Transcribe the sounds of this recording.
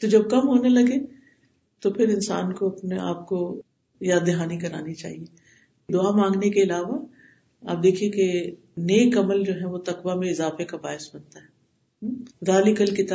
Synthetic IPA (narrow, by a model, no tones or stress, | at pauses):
t̪od͡ʒɐb̚kɐmɦoːnelɐɡe | t̪opʰɪɾɪnsa̰ːnkoɐpnea̰ːp̚ko | jaːd̪ːɪɦaːnikɐɾaːnit͡ʃa̰ːɦieː | d̪ʊamãːŋɡnekeɪlaːʋa | a̰ːp̚d̪eːkʰieke | neːkɐməld͡ʒoːɦɛʋot̪ɐkʋamẽɪzaːfekabaːɪsbɐnt̪aɦɛː | daːlɪkəlkɪt̪